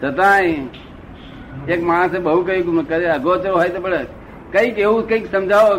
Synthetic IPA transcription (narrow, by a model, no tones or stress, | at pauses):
d͡ʒət̪ãĩ | ekmaɽ̃seɓəɦukəjũkkəɾeəɡot͡ʃɾoɦajt̪epəɽe | kəikeũkəiksəmd͡ʒaʋo